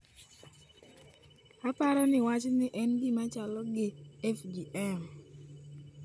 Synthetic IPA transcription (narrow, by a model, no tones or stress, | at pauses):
apaɾɔnɪwat͡ʃnɪʔɛnɡɪmat͡ʃalɔɡɪɛfdiʔɛm